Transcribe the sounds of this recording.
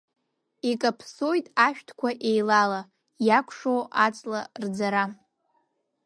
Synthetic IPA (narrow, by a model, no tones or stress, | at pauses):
ikʼapʰsojtʼaʃᶣtʰkʷaʔe̞jlala | jakʷʰʂowat͡sʼlard͡zaɾa